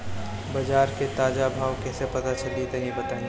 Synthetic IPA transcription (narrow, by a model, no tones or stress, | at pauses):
bɐd͡ʒaːɾket̪aːd͡ʒabʱaːʋkɛːsepɐt̪at͡ʃɐlit̪ɐɦĩbɐt̪aːẽ